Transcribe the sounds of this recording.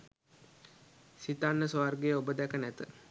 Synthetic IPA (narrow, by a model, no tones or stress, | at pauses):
sit̪anːəsoʋarɡejəobəd̪ɛkənæt̪ə